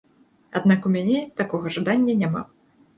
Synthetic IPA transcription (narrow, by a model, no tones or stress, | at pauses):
ad̪nakumʲanʲɛt̪akɔɣɐʐad̪anʲːɐnʲama̰